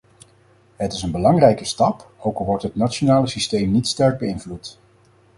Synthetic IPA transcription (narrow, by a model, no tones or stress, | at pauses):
ɦətɪsənbəlɑŋrɛjkəstɑp | owklˠʋɔɹtɦətnat͡ʃonaːləsistejmnitstɛɹɡ̚bəɪnvlut